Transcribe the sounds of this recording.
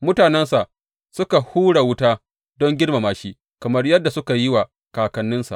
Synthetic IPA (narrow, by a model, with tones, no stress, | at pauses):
mʊ˦taː˨nɛ˦nsa˨ʔ | sʊ˦ka˨huː˦ɽa˨wʊ˦taː˦ | dɔ˦ŋɡʲɪ˦rma˨maː˦ʃiː˦ | kɐ˨mɐ˦rjɐ˦dːa˨sʊ˦ka˨jɪ˦wa˨ | kaː˨kɐ˦nːɪ˦nsa̰˨